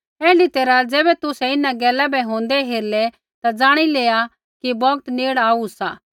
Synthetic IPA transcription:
ɛːɖit̪eːɾad͡zɛːbɛt̪ʊsɛɪnãɡɛːlabɛɦõːnd̪ɛɦeːɾlɛ | t̪ad͡zaːɽ̃ileːa | kibɔːɡt̪neːɽaːusaː

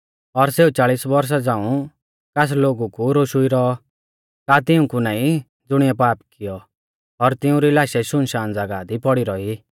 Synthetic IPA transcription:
ɔɾseːut͡saːɭisbɔɾs̬ad͡zãːũ | kas̬loːɡukuɾoʃuiɾɔ | kaːt̪ɪũkunaːĩ | d͡zʊɽ̃ɪjɛpaːpkɪjɔ | ɔɾt̪ɪũɾilaːʃɛʃʊnʃaːnd͡zaɡaːd̪ipɔɽiɾɔi

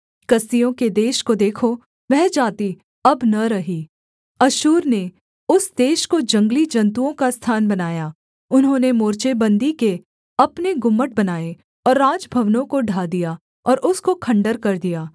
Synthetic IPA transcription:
kɐst̪ijõked̪eːʃkod̪eːkʰo | ʋɛɦd͡ʒaːt̪i | ɐbnɐɾɐɦiː | ɐʃuːɾne | ʊsd̪eːʃkod͡ʒɐ̃ŋɡlid͡ʒɐ̃nt̪̬uõkast̪ʰaːnbɐnaːjaː | ʊnɦõːnemoːɾt͡ʃebɐ̃nd̪ike | ɐpneɡʊmːəʈ̚bɐnaːe | ɔːɾːaːd͡ʒbʱɐʋnõkoɖʱaːd̪ija | ɔːɾʊskokʰɐ̃ɳɖəɾkɐɾd̪ijaː

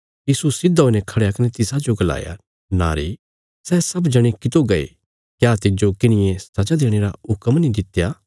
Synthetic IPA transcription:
jiːsusɪd̪ɦonɛkʰɐɽeakɐnet̪ɪsad͡ʒoɡɐla̰ːja̰ | na̰ːɾḭ | sɛːsɐbd͡ʒɐɽ̃ekɪt̪oɡɐḛ | kjaːt̪ɪd͡ʒokɪnɪjẽsɐd͡ʒad̪eːɽ̃eːɾaɦʊkəmnĩd̪ɪt̪jaː

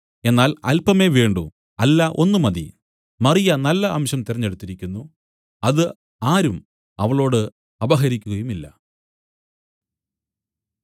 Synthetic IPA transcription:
e̞nːaːlɐ̰lpɐme̞ːʋe̞ːɳɖṵ | ɐlːɐʔo̞nːumɐðḭ | mɐrijɐnɐlːɐʔɐmɕɐmt̪irɐɲːeɽut̪ːiɾikʲːunːu | ɐðɨ | aːɾum | ɐʋɐɭo̞ːɽɨ | ɐbɐɦɐɾikʲːuɣɐjumilːɐ̰

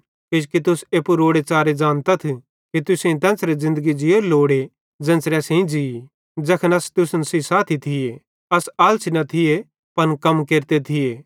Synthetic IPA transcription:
kɪd͡ʒkit̪ʊseːpuɾoːɽet͡ʃaːɾed͡ʒaːnt̪at̪ʰi | kit̪ʊsĩt̪ɛ̃ːnsɾezɪ̃nd̪əɡid͡ʒɪjoɾloːɽe | d͡ʒɐ̃ːnsɾɛsĩd͡ʒii | d͡ʒɐkʰənɐst̪ʊsənsisaːt̪ʰit̪ʰɪje | ɐsaːlt͡ʃʰinɐt̪ʰɪe | pɐnkɐmkeːɾt̪et̪ʰɪjeː

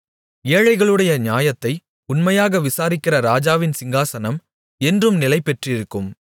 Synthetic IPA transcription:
eːɐɻɐɪɣɐɭɯɽɐjɐɲɪaːjɐt̪ːɐɪ | ʊnmɐjaːɣɐʋɪsaːɾɪkːɪrɐɾaːd͡ʒaːʋɪnsɪŋɡaːsɐnɐm | ɛndrɯmnɪlɐɪpːɛʈrɪɾɯkːɯm

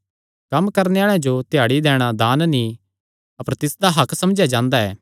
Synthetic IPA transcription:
kɐmkɐɾneaːɭãd͡ʒot̪ejaːɽid̪ɛːɽ̃ad̪aːnnĩ | ɐpəɾt̪ɪsd̪aɦɐkʰsɐmd͡ʒjad͡ʒãːnd̪aɛː

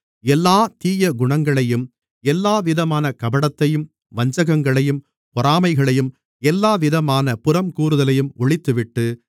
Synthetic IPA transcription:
ɛlːaːt̪iːjɐɡʊɳɐŋɡɐɭɐjɯm | ɛlːaːʋɪðɐmaːnɐkɐbɐɽɐt̪ːɐjɯm | ʋɐɲd͡ʒɐɣɐŋɡɐɭɐjɯm | pɔɾaːmɐɪɣɐɭɐjɯm | ɛlːaːʋɪðɐmaːnɐpʊrɐmkuːɾɯðɐlɐjɯmɔɭɪt̪ːɯʋɪʈːɯ

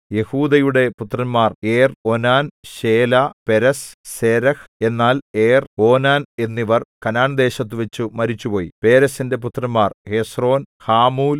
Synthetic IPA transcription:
je̞huːd̪ɐjuɽe̞put̪ːrɐnmaːreːro̞naːnɕe̞ːlape̞ɾɐsse̞ːɾɐhe̞nːaːleːro̞ːnaːne̞nːiʋɐrkɐnaːɳd̪e̞ːɕɐt̪ːuʋet͡ɕːumɐɾit͡ɕːupo̞ːjipe̞ːɾɐsinde̞p̬ut̪rɐnmːaːrhe̞sro̞ːnhaːmuːl

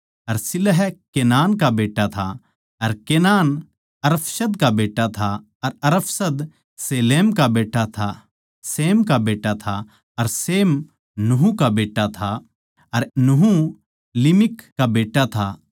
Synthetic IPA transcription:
ɐɾsɪlɦɛkeːnaːnkabeːʈːat̪ʰa̰ | ɐɾkeːnaːn | ɐɾəpʰsəd̪kabeːʈːat̪ʰa | ɐɾɐɾəpʰsəd̪ | seːleːmkabeːʈːat̪ʰa | seːmkabeːʈːat̪ʰa | ɐɾseːm | nuɦũkabeːʈːat̪ʰa | ɐɾnuɦu | lɪmɪkːabeːʈːat̪ʰa

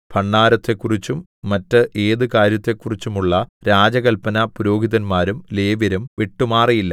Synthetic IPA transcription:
pʰɐɳːaːɾɐt̪ːe̞kːurit͡ɕːumː | ɐtːɨʔe̞ːðɨkaːɾjɐt̪ːe̞kːurit͡ɕːumuɭːɐɾaːd͡ʑɐɣɐlpɐnɐpuɾo̞ːɡʱiðɐnmaːɾumle̞ːʋɐɾumʋiʈːumaːrijilːɐ

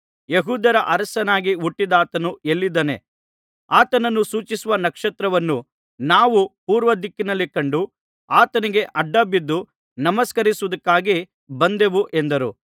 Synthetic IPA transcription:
jeɦuːd̪ɐɾɐʔɐɾɐsɐnaːɡiuʈːid̪aːt̪ɐnue̞lːid̪ɐne̞̰ | aːt̪ɐnɐnːusuːt͡ʃisuʋɐnɐkʂɐt̪ɾɐʋɐnːu | naːʋupuːɾʋɐd̪ikːinɐlːikɐɳɖu | aːt̪ɐniɡe̞ʔɐɖːɐbid̪ːu | nɐmɐskɐɾisuʋɐd̪ɐkːaːɡi | bɐnd̪e̞ʋuʔend̪ɐɾṵ

